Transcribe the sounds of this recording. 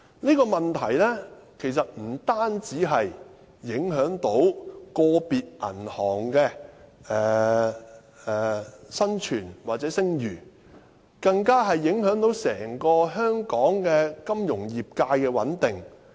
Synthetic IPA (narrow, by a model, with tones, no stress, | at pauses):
niː˥kɔː˧mɐ˨nt̪ʰɐ˨˩jlɛː˥kʰe˨˩js̬ɐ˨t̚m̩˨˩t̪aː˥nt͡siː˨˥ɦɐ˨jː | ɪ˨˥ŋɦœː˨˥ŋt̪o˨˥wkɔː˧piː˨t̚ʔɐ̰˨˩nhɔː˨˩ŋkɛː˧ɛː˨ | ɛ˨˩sɐ˥nt͡ʃʰyː˨˩nwaː˨t̚t͡sɛː˨˥sɪ˥ŋjyː˨˩ | kɐ˧ŋkaː˥ɦɐ˨jːɪ˨˥ŋɦœː˨˥ŋt̪o˨˥wsɛː˨˩ŋkɔː˧ɦœː˥ŋkɔː˨˥ŋkɛː˧kɐ˥mjʊ˨˩ŋjiː˨p̚kaː˧jkɛː˧wɐ̰˨˥nt̪ɪ˨˩ŋ